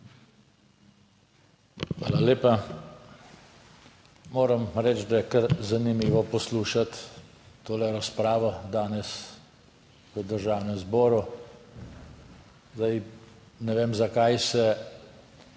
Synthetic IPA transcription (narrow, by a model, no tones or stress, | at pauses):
xʋa̰ːlaleːpa | moːɾəmɾɛt͡ʃd̪ajɛkəɾzanimiːʋɔpɔsluːʃat̪ː | oːlɛɾaspɾaːʋɔd̪aːnɛs | ʋəd̪əɾʒaːwnɛmzbɔːɾu | zd̪aj | nɛʋeːmzakajsɛ